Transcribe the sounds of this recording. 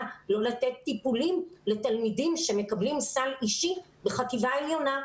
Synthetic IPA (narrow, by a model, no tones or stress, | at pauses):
lo̞lat̪et̪ːipulimle̞t̪almidimʃe̞me̞kablimsaliʃi | beχat̪ivaeljo̞na